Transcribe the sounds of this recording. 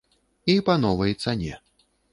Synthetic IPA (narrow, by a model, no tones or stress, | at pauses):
ipanɔvɐjt̪sanʲɛ̰